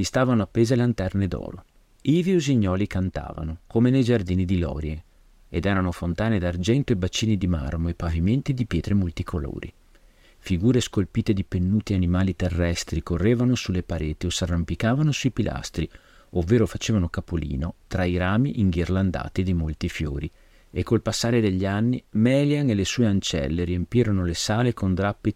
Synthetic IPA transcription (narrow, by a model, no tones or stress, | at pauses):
sist̪aːvanoapːeːzelant̪ɛrned̪ɔ̰ːɾo̰ | iːvioziɲːɔːlikant̪a̰ːva̰nokomenejd͡ʒard̪iːnid̪ilɔ̰ːɾje | ed̪ɛːɾanofont̪aːned̪ard͡ʒɛnt̪oebat͡ʃːiːnid̪ima̰rmoepːaviment̪id̪ipjɛːt̪ɾemolt̪ikʰolo̰ːɾḭ | fiɡuːɾeskolpiːt̪ed̪ipenːuːt̪ianimaːlit̪erːɛst̪ɾikorːeːvanosulepaɾeːt̪iosarːampikaːvanosuipilʔa̰st̪ɾi | ovːeːɾofat͡ʃeːvanokapolḭːnot̪ɾaiɾaːmiʔiŋɡirland̪a̰ːt̪id̪imolt̪ifjo̰ːɾi | ekːolpasːaːɾed̪eʎːanːimɛljaŋelesuːeant͡ʃɛ̰lːeɾiempjiːɾonolesaːlekond̪ɾapːi